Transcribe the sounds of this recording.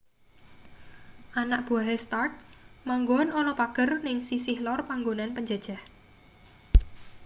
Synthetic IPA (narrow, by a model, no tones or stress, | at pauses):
ʔanaʔ̚b̥uaɦest̪art̪̚maŋɡɔnonɔpaɡ̥ərnɪŋsisɪhlɔrpaŋɡonanpəɲd͡ʒad̥ʒ̥a̤h